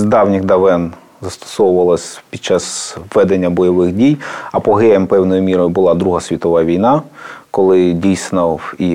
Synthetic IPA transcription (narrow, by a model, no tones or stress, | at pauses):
zd̪ɑwnʲixd̪ɐʋɛn | zɐst̪ɔ̥sɔwʊʋɐlˠɐsʲpʲid̪t͡ʃɑsʋːɛd̪enʲːɐbɔjɔʋɪxdʲijɐpɔɦɛjempɛwnɔjʊmʲiɾɔjʊbʊlˠɑd̪ɾuɦɐsʲʋʲit̪ɔʋɑʋʲijnɑkɔlˠɪdʲijsnɔi